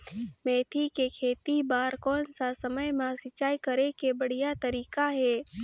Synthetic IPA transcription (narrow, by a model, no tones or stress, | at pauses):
mẽːt̪ʰikekʰeːt̪ibaːɾkɔːnsasəməjmãsɪt͡ʃʃaːikəɾẽkebəɽ̤ijat̪əɾiːkaɦɛː